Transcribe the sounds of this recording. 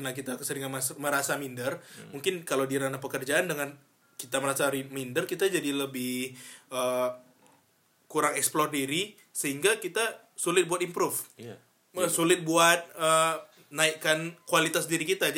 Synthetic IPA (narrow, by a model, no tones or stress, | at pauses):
kənakit̪asəɾiŋanmasməɾasamindərmuŋkɪnkalawdiaɾanapəkərd͡ʒaːndəŋan | kit̪aməɾasaɾimindərkit̪ad͡ʒadiləbɪhʔə | kuɾaŋɛksplɔrdiɾi | səɦiŋɡakit̪a | sulɪt̪̚buat̪impɾʊf | əsulɪt̪̚buat̪̚ə | naikːankualit̪asdiɾikit̪ad͡ʒ